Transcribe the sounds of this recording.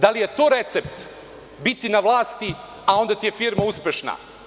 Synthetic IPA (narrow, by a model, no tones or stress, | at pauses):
d̪alije̞t̪o̞ːɾet̪sept̪ | bit̪inaʋlˠaːst̪i | ao̞nd̪at̪ijefiɾmauspʲjeʃna̰